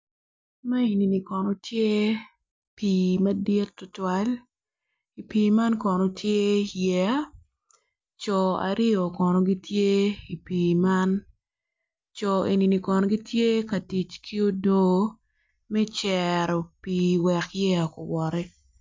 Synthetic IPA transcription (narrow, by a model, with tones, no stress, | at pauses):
ma˦e˨ni˨ni˨kɔ˨no˨tʰje˦ | piː˨mɐ˦di˦tːʊ˦twa˦l | i˨piː˨ma˦nkɔ˨no˨tʰje˦jɛ˦a˦ | t͡ʃɔ˨a̰˨ɾɪ˦o˨kɔ˨no˨ɡi˦tʰje˦i˨piː˨ma˦n | t͡ʃɔ˨e˨ni˨ni˨kɔ˨no˨ɡi˦tje˦ka˨ti˨t͡ʃkʰi˦o˦doː˦ | mɛ˦t͡ʃɛ˨ɾo˨piː˨wɛ˨kjɛ˦a˨ko˨wɔ˨ɾɛ˦